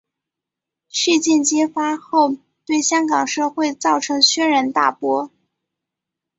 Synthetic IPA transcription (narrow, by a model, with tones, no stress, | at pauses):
ʂ̩˥˧t͡ɕjɛ˥˩nt͡ɕjɛ˥fa˥xo˥˧ʊ | t̪we˥˩ɪɕjɑ˥ŋkɑ˨˩ŋʂɤ˥˧xwe˥˩˧ɪt͡sɑ˥˩ʊʈ͡ʂʰɤ˧˥ŋɕɥɛ˥nɻə˧˥nt̪a̰˥˩pwɔ˥